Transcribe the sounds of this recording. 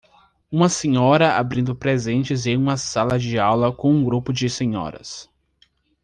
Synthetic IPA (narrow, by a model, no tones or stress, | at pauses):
ũmɐsẽɲɔɾɐʔa̰bɾĩnd̪ʊpɾezẽnt͡ʃɪzẽjũmɐsalɐd͡ʒɪawlɐkõũɡɾupʊd͡ʒɪsẽɲɔ̰ɾɐ̰s